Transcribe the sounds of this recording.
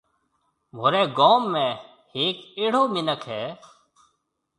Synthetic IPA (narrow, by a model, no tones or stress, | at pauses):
mʱoːɾɛ̃ːɡoːmːɛ̃ː | heːkeːɽ̤oːmɪnəkʰɦɛː